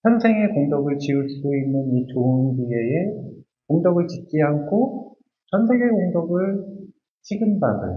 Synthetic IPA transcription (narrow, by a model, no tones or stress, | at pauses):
çjʌnsʰe̞ŋe̞koŋdʌɡɯɭt͡ɕiuɭs͈ʰudoinːɯnit͡ɕoɯnbie̞e | koŋdʌɡɯɭt͡ɕit̚t͡ɕ͈iɦankʰo | t͡ɕʰjʌnsʰe̞ŋe̞koŋdʌɡɯɭ | t͡ɕʰiɡinbadɯ̰